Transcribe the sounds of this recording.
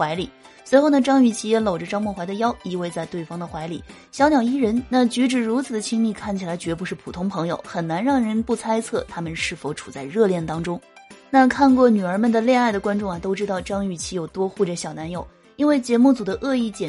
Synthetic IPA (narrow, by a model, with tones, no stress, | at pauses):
xwa˧˥ɪlḭ˨˩˦ | swe˧˥ɪxo˥˩ʊnə˩ʈ͡ʂɑ˥ŋy˨˩t͡ɕʰi˧˥jɛ˧˥lo˨˩ʊʈ͡ʂə˦ʈ͡ʂɑ˥ŋmwɔ˥˩xwa˧˥ɪə˧jɑ˥ʊi˧˥we˥˧ɪt͡sa˥˧ɪt̪we˥˩ɪfɑ˥ŋd̪ə˨xwa˧˥ɪlḭ˨˩˦ | ɕjɑ˧˥ʊnjɑ˨˩i˥ɻə˧˥nna˥˩t͡ɕy˧˥ʈ͡ʂɻ̩˥˩ɻu˧˥t͡sʰɹ̩˨˩d̪ə˦t͡ɕʰi˥ŋli˥˩kʰa˥˩nt͡ɕʰi˩la˧˥ɪt͡ɕɥɛ˧˥p̬u˧˥ʂɻ̩˥˩pʰu˨˩t̪ʰʊ˥ŋpʰɤ˧˥ŋjo̰˨˧˦ʊxə˨˩nna˧˥nɻɑ˥˩ŋɻə˧˥npu˥˩t͡sʰa˥ɪt͡sʰɤ˥˩t̪ʰa˥mə˨nʂɻ̩˥˩fo˨˩ʊʈ͡ʂʰu̥˨˩t͡sa˥˧ɪɻɤ˥˧ljɛ˥˩nt̪ɑ˥ŋʈ͡ʂʊ˥ŋ | na˥˧kʰa˥˧nkwɔ˥˩ny˨˩ə˞˧˥mə˨nd̪ə˩ljɛ˥˧na˥˩ɪd̪ə˩kwa˥nʈ͡ʂʊ˥˩ŋɐ˨˩t̪o˥ʊʈ͡ʂɻ̩˥ɑ˥˩ʊʈ͡ʂɑ˥ŋy˨˩t͡ɕʰi˧˥jo˨˩ʊt̪wɔ˥xu˥˩ʈ͡ʂə˩ɕjɑ˨˩ʊna˧˥njo˨˩˦ʊ | i˥nwe˥˩ɪt͡ɕjɛ˧˥mu˥˩t͡su˨˩d̪ə˦ʔɤ˥˧i˥˩t͡ɕjɛ˨˩